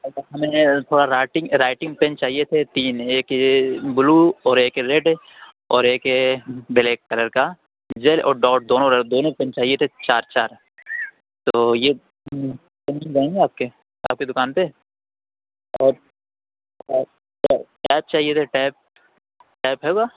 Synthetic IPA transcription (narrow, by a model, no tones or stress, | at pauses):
ɐt͡ʃaɦɐmẽt̪ʰoːɽaɾaːɪʈɪ̃ŋɾaːɪʈɪ̃ŋɡpɛ̃nt͡ʃaːɦijet̪ʰet̪iːneːkɦebʊluɔːɾeːkɦeɾeːɖe | ɔːɾeːkɦebɪleːkːɐləɾka | d͡ʒeːlɔ̰ːɾɖɔːʈ̚d̪oːnõɾd̪oːnõpɛ̃nt͡ʃaːɦijet̪ʰet͡ʃaːɾt͡ʃaːɾ | t̪oːje | kɐmilɡaːẽŋɡeaːp̚ke | a̰ːp̚ked̪ʊkaːnp̪e | ɔːɾ | aʈɛːp̚t͡ʃaːɦijet̪ʰeʈɛːp̚ | ʈɛːpɦɛːuɡaː